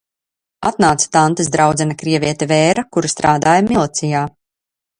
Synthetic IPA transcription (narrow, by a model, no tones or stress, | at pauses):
at̪naːt̪sḁt̪ant̪ɨsd̪ɾawd̪zɛnakɾiɛvʲiɛt̪ɛvɛːɾakuɾust̪ɾaːd̪aːjamilˠt̪sijaː